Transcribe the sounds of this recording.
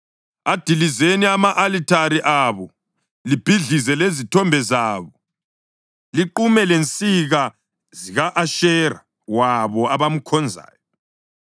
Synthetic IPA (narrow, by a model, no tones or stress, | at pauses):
ad̥ʱilizeniamaʔalitʰaɾiʔaβɔ | lib̥ʱiɮizɛlezitʰɔmbʱɛzaːβɔ | liǃumɛlent͡sʼiɣa | ziɣaʔaʃɛːra | waβɔaβamukʰɔnd͡zʱa̰ːjɔ